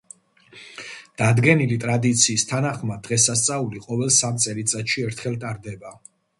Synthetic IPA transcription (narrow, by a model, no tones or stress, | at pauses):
d̪̥ad̪ɡɛnilit̪ʼɾad̪it̪sʰiːst̪ʰanaχmad̪̥ʁɛsast̪sʼauliqʼɔvɛlˠsamt̪sʼɛɾit̪sʼat̪ʃiɛɾt̪ʰχɛlt̪ʼaɾd̪ɛba